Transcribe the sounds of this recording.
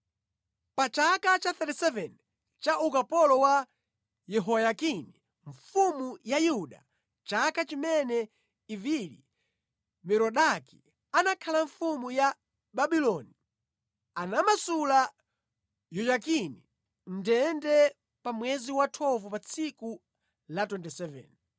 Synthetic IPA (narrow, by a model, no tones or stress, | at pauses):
pat͡ʃakat͡ʃaθɛtisɛvɛn | t͡ʃaʔukapɔlɔwa | jɛɦɔjakini | ɱfumujajuɗa̰ | t͡ʃakat͡ʃimɛnɛ | ivilḭ | mɛɾɔɗaki̥ | anakʰalaɱfumuja | ɓaɓilɔni | anamasula | jɔjakini | ndɛndɛ | pamwɛziwatʰɔvɔpat͡sʰiku | latwɛntisɛvɛ̰n